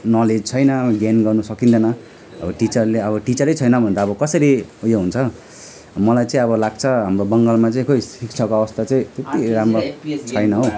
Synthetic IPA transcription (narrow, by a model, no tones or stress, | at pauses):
nʌled͡zt͡sʰʌjnʌʌɡjanɡʌrnusʌkind̪ʌnʌ | ʌ̰bʌʈit͡sʌrleʌβʌʈit͡sʌɾʌjt͡sʰʌjnʌbʱʌnt̪aːbʌkʌsʌɾiujoɦunt͡sʰʌ | mʌlajt͡sãĩʌβʌlaɡ̚t͡sʰʌɦamrobʌŋɡʌlmat͡saĩkoisikt͡sʰʌkoʌbʌst̪at͡sãĩt̪et̪iɾamrot͡sʰʌjnʌɦo